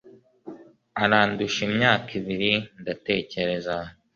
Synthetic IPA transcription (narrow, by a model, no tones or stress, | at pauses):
aɾaːnduʃimɲaːkʰiβiɾindate̞ːce̞ɾe̞za